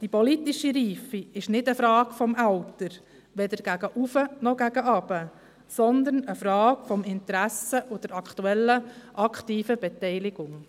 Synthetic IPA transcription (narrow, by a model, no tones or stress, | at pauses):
d̥ipɔlit̪iʃiɾiːfiɪʃnɪdəfɾɑːkfɔmælt̪əɾ | ʋɛd̪əɾɡ̥æɡ̥əʔufənɔɡ̥æɡəʔɑb̥ə | sɔnd̪ənəfɾɑːkfɔmɪnt̪ɾæsəʔʊd̥əɾɑktuɛlːəʔɑkχtiːfəbɛt̪ɛɪlɪɡʊŋ